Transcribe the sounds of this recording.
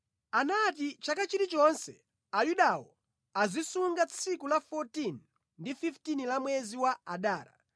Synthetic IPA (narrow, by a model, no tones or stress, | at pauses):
anat̬it͡ʃakat͡ʃitit͡ʃɔnsɛ̰ | ajuɗawɔ̰ | azisuŋɡat͡sʰikulafɔtin | ndififtinilamwɛziwaaɗaːɾa̰